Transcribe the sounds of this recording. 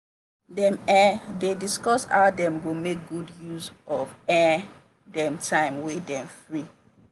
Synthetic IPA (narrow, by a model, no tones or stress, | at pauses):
dɛ̃mɛdediskɔsha̰ʊdɛ̃mɡomek̚ɡudjuzɔvɛ | dɛ̃mtʰãɪ̃mwidɛ̃mfɹi